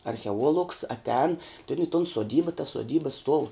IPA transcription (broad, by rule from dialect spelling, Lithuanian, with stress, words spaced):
ɐrʲxʲɛˈuɔlˠʊks ɐtʲˈɛːn ɪ toːn soːˈdʲiːbɐ tɐs soːˈdʲiːbɐ stuɔw